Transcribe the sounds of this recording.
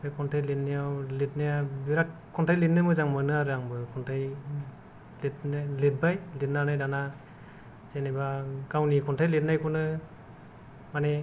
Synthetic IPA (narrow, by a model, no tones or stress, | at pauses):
ekʰɔntʰajletnijawlet̚najabiɾakkʰːɔntʰajletnɯmɯzaŋmɯnɯaɾɯaŋbɯkʰɔntʰaj | letnlet̚bajlet̚nanajdana | zenebakawnikʰɔntʰajlet̚najkʰɔnɯ | mane